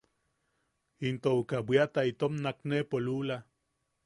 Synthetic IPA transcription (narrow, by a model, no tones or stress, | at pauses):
int̪oukawiat̪ait̪omnaknepolula